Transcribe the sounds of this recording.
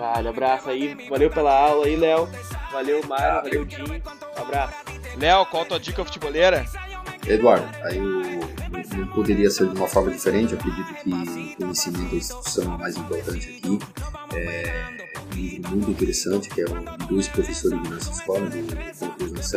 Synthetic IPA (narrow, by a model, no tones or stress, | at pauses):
vaʎʊabɾasʊaivalewpelɐawlɐilɛw | valewmajjzvalewd͡ʒĩɲ | abɾasʊ̥ | lɛwkwawt̪uɐd͡ʒikɐfu̥t͡ʃiboleɾɐ | ed̪uaɾd̪ʊaiʊñw̃nɐ̃w̃pod̪eɾiɐseɾd͡ʒɪũmɐfɔɾmɐd͡ʒifeɾẽnt͡ʃɪwakɾed͡ʒit̪ʊkʰɪʊkõɲesimẽnt̪ʊɐĩst͡ʃi̥t̪u̥sɐ̃w̃ɛmajzĩpoɾt̪ɐ̃nt͡ʃɪaki | ɛ | ũlivɾʊmũj̃t̪ʊĩt̪eɾesɐ̃t͡ʃɪ̥kɪɛɾũd̪ojspɾofesoɾɪzd̪ɪnɔsɐsfɔɾmɐd̪ɪd̪ʊkõkuzɐ̃sɐ̃